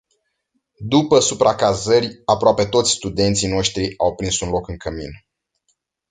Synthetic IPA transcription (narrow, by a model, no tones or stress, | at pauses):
d̪upəsupɾakazərʲapɾoape̞t̪o̞t̪sʲst̪ud̪e̞nt̪sijno̞ʃt̪ɾiawpɾinsunlo̞kɨŋkəmḭn